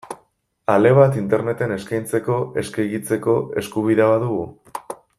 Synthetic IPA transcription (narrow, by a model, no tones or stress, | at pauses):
ale̞β̞at̪int̪e̞ɾne̞t̪e̞ne̞skajnt͡se̞ko̞e̞skejɣit͡se̞ko̞e̞̰skuβ̞iðeβ̞aðuɣ̞u